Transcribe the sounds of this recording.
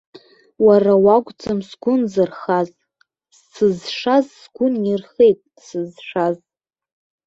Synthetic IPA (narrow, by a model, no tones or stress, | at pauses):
warawaɡʷʼt͡sʼɨmsɡʷʊnzɨrχaz | sɨzʂazsɡʷʊnirχejtʼ | sɨzʂaz